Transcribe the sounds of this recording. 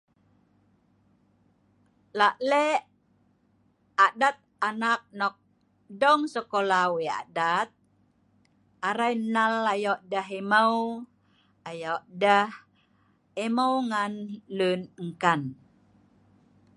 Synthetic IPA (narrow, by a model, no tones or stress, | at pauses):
laʔlɛʔ | aʔdat̪̚anak̚nɔk̚ | dɔŋsəkolawia̰dat̪̚ | aɾajnalajɔʔdaɦeməw | ajɔʔdah | eməwŋanlunəŋkan